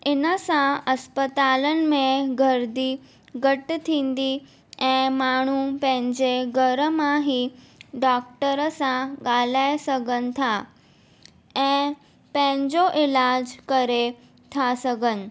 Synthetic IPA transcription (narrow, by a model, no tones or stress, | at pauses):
ɪnəsãɐspət̪aːlənɪ̆mẽɡʱəɾd̪i | ɡʱəʈt̪ʰĩːn̆d̪i | ɛ̃ːmaːɳ̤̃upɐ̃ɦɪ̃ɲd͡ʑeɡʱəɾəmãɦiɖɔːk̚ʈəɾəsãɠaːl̤aːesəɡʱənɪ̆t̪ʰa | ɛ̃ː | pə̃ɦɪ̃ɲd͡ʑoʔɪlaːd͡ʑkɐɾe | t̪ʰasɐɡʱənɪ̆